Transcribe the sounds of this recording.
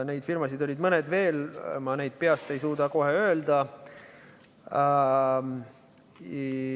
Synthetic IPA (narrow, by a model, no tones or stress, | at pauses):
ne̞jd̪firmɑsid̪o̞lʲid̪mɤned̪ve̞ːlmɑne̞jd̪̥̚peɑst̪e̞jsuːd̪̥ɑko̞ɦeø̞ːld̪ɑ